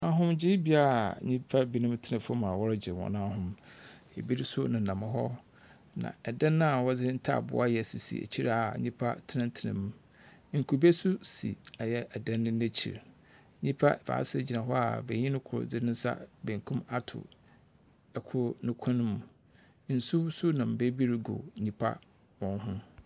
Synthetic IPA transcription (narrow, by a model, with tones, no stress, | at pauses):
a˨ɦʊ̃˦md͡ʑɪ˦bi˦a˦˨ɲĩ˦pʰa˦bi˦nʊ̃˦mtʰɪ˦nã˨fmã˨wɔ˦ɾd͡ʑɪ˨ɾwɔ̰̃˨nã˦a˦ɦʊ̃˦m | ɛ̰˨bi˦ɾi˦sʊ˦nɪ̃˨nã˨mɪ̃˦ɦɔ˦ | nã̰˨ɛ˨dɛ̃˦nːʊ̃˦a˨wɔ˦d͡zɪ˦ɾɪ̃˦n̩˦tʰa̰˦˨bʊ̰˨˦a˦jɛ˨si˨sḭ˨ḛ˨t͡ɕʰi˦ɾa˨ɲĩ˦pʰa˦tʰɪ˦nɪ̃˦n˦tʰɪ˨nɪ̰̃˨mũ˦ | ŋ̩˨kʰu˨be˦sʊ˦sḭ˨a˨jɛ˦ɛ˨dɛ̃˦nːʊ̃˦nẽ˦t͡ɕʰḭ˨ɾ | ɲĩ˦pʰa˦ba̰ː˨˦sɪ˦˨d͡ʑi˨nã˨ɦɔ˦a̰˨be˨ɲĩ˦nʊ̃˦kʰʊ˨ɾʊ̰˨d͡zɪ˦ɪ̃˦n̩˦sa̰˦bẽ˨ŋ˨kʰũ˦ma˦tʰʊ̰˨ | ɛ˨kʰʊ˨ɾnʊ̃˦kʷʰã˦nʊ̃˦mũ˨˦ | n̩˨su˦sʊ˦nã˨m˨be˦bi˦ɾɡo̰˨ɲĩ˦pʰa̰˦ | wɔ̃˦nɦʊ̃˦